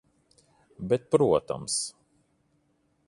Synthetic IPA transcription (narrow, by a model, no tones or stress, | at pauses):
bɛt̪̚pɾuːt̪a̰ms